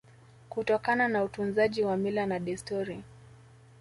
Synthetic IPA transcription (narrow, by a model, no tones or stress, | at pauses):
kutɔkananautunzaʄiwamilanaɗɛstɔɾi